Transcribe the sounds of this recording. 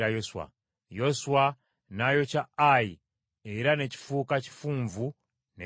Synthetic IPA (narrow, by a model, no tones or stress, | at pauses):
ɾajoswa̰ | joswa | najot͡ʃaaji | eiɾaneci̥fukaci̥fuɱvu | ne